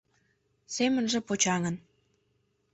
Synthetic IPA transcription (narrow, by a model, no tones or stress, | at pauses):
semənʒĕpot͡ɕɑŋən